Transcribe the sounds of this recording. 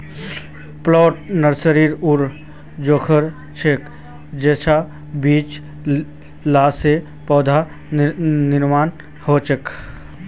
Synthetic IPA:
plɔːʈ̚nəɾsəɾiːɾuɾ | d͡ʒoːkʰəɾ | t͡ʃʰek | d͡ʒeːt͡ʃʰa | biːt͡ʃ | laːse | pɔːd̪ʱa | nɪɾmaːn | hoːt͡ʃək

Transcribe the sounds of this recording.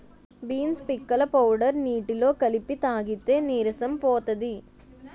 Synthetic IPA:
biːnspɪkːɐlɐpɐwɽɐɾniːʈːɪloːkɐlɪpːit̪aːɣɪt̪ːeːniːɾɪsɐmpoːt̪ɐði

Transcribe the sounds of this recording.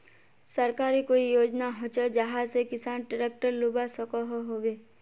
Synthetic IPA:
səɾkaːɾikoːijoːd͡ʒnaɦot͡ʃad͡ʒəɦasekɪsaːnʈəɾek̚ʈəɾlubasəkoɦoɦoːʋe

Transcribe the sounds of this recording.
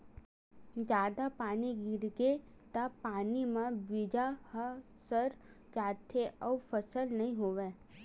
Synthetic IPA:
d͡ʒjaːd̪apaːniɡɪɾɡe | t̪apaːnimãbid͡ʒah | səɾd͡ʒaːt̪ʰeʔɔfəsəlnɐɦĩɦoːʋeː

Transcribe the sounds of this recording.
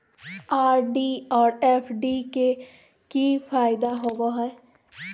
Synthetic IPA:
aːɾɖiɔːɾɛːpʰɖike | kifaːɪd̪aɦoːɡoɦɛː

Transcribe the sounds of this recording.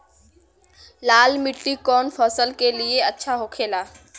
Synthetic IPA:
laːlmɪʈːikɔːnfʰɔːsəlkelieɐtːʃʰaɦoːkʰeːlaː

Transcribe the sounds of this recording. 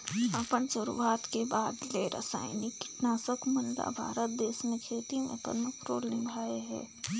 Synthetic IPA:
ɐpəɳsʊɾṵaːt̪kebaːd̪leːɾə̰sa̰ːɪnikːɪ̥ʈnaːsəkmənd̪a̰bʱa̰ːɾət̪̚d̪eːsmẽkʰeːt̪imḛ̃pə̰d̪məkɾoːlnɪmbʱaːeɦɛ̰̃ː

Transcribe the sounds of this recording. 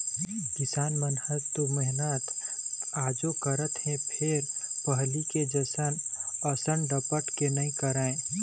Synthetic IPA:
kɪsaːnmənhət̪omɛɦnət̪aːd͡ʒokəɾət̪ɦɛ̃pʰeɾpəɦliked͡ʒəsənəsəɳɖəpəʈkenəĩkəɾaẽ

